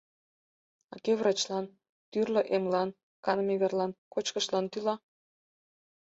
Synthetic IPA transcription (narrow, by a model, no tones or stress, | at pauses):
ɑkevrɑt͡ɕlɑn | t̪yrləʔemlɑn | kɑnmeβerlɑnkot͡ɕkəʃlɑnt̪ylɑ